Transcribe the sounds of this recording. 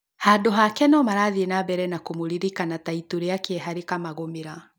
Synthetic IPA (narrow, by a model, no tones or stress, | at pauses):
hadoɦakɛnɔmaɾaðienabɛɾɛnakomoɾiɾikanataituɾiakeɛɦaɾikamaɣomeɾa